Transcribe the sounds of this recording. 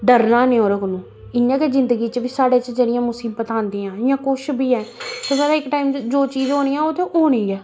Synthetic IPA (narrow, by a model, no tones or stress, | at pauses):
ɖəɾnaːnẽːɦoːɾəkʊnũː | ɪnãːkezɪnd̪əɡiːt͡ʃəʋiːsaːɽeːt͡ʃəd͡ʒeːɽɪjãːmʊsiːbːət̪ãːnd̪iːãːɪjãːkoʃbʱiːɛːt̪esaːɾaːɪkːʈaːiːmd͡ʒoːt͡ʃiːzɦoːñiːɛ̃ːot̪ʰẽːʔoːñĩːɛː